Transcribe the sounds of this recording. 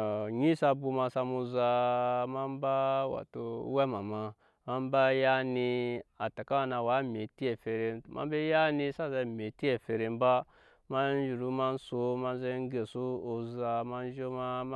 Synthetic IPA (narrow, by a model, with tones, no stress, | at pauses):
ɲi˦sa˧bu˧ma˧sa˧mu˧za˧ma˦m˦ba˦wa̰˨to˨˦we˦ma˨ma˨ | ma˦m˦ba˦ja˦ni˧a˨ta˨ka˦a˨na˨wa˨˦me˨ti˦e˨fe˨ɾe˨˦mʔa̰˦mbe˦ja˦ni˦sa˦za˧˨me˨ti˦e˨fe˨ɾe˨m˦ba˦ | ma˦n˦d͡ʒi˨ɾu˦ma˦n̩˦so˨ma˦n˦ze˦ɡe˨su˦o˨za˨ma˦n˦ʒo˦ma˦